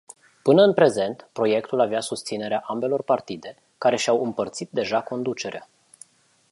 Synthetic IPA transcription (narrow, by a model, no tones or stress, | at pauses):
pɨnəɨnpɾe̞ze̞nt̪pɾo̞je̞kt̪ulaveasust̪sine̞ɾeaʔambe̞lo̞rpart̪id̪e̞ | kaɾe̞ʃawɨmpərt̪sit̪̚d̪e̞ʒako̞nd̪ut͡ʃe̞ɾea